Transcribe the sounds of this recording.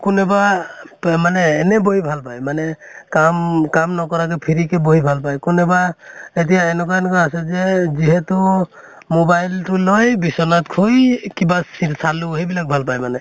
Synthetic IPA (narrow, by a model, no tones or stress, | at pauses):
kunɛba | manɛːnɛboɦibʱalpajmanɛkamkamnɔkɔɹak̬ɛpʰiɾikɛboɦibʱalpajkunɛbaetijaɛnɔkɔɛnɔkɔasɛzɛziɦɛtu | mobajltulɔjbisɔnatkʰujkibasisaluɦɛbilak̚bʱalpajmanɛ